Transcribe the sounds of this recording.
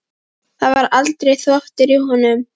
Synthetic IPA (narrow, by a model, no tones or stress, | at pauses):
θaðvaɾalt̪ɾejθɔht̪ɪɾiɦɔnʏm